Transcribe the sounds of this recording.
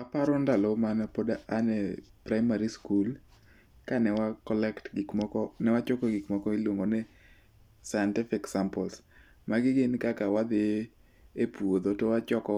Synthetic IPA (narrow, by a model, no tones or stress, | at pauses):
apaɾɔndalomanapodaʔanɛ̰pɾaɪmaɾiskul | kanɛwakɔlɛktɡɪkmɔkɔnɛwat͡ʃokɔɡɪkmɔkɔilwoŋɡonɛ | sajɛntɪfɪksampɔls | maɡɪɡɪnkakawad̪ɪ | epwod̪otowat͡ʃɔkɔ